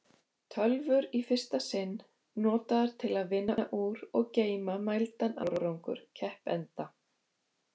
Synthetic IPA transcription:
t̪ʰœlvʏɾifɪr̥st̪asɪnː | ɔːt̪aðaɾ̥t̪ʰɪlaðvɪnːaaʔuːɾɔɣceːjmamajlt̪ana̰ɾɔɾowŋkʏ̰ɾ̥cʰɛhpɛ̰nt̪a

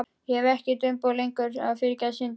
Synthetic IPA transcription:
jɛvɛhcɪt̪ʏmpowlejŋkʏɾa̰ðfɪɾcasɪnt̪

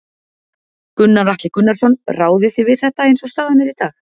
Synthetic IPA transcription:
kʏnːavaht̪lɪkʏnːaɾsɔnraːwðɪθɪvɪðθɛht̪aejnsɔst̪aːðanɛɾit̪aːx

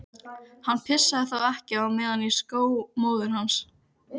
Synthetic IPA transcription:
hanːpʰɪsːaðɪθawɛhcɪawmɛːðaniskoːwmoːwðʏɾ̥ɦans

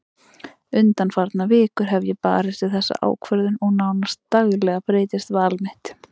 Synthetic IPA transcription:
ʏnt̪anfaɾt̪navɪːkʏɾ̥ɦɛvjɪpa̰ːɾɪst̪ɪðθɛsːa̰ʔa̰ːwkʰvœɾðʏnɔɣnawnast̪ːaɣlɛɣapɾeːjt̪ɪst̪vaːlmɪht̪

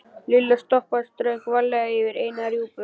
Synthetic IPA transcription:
lɪlːast̪ɔhpast̪ɾœɥkvalːɛɣaɪvɪɾeːjnaɾjuːpʏ

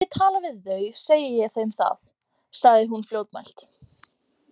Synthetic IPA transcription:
ɛt̪ʰaːlavɪðːœɥseːjɪjɛθejmθa̰θ | saɣðɪɦunfljowt̪ma̰jl̥t̪

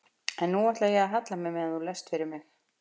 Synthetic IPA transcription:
ɛnːuaht̪laðjɛɣaðɦat̪lamɪmɪðanθulɛst̪fɪɾɪɾmɪx

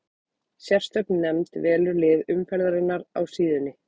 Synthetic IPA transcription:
sjɛr̥st̪œpnːɛmt̪vɛːlʏɾlɪːðʏmfɛɾðaɾɪnːaɾa̰wsiːðɪnːɪ

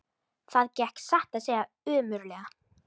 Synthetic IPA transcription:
θaðcɛhksaht̪aðsɛːɣa | ʏːmʏɾlɛɣa

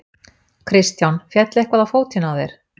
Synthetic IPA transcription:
kʰɾɪst̪jawnfjɛt̪lɛhkvaðafoːwt̪ʰɪnawðejɾ̥

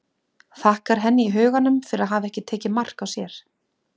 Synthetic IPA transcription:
θahkaɾ̥ɦɛnːɪiɦœːɣanʏmfɪɾɪɾaðɦaːvɛhcɪt̪ʰeːcɪmar̥kawsjɛɾ̥

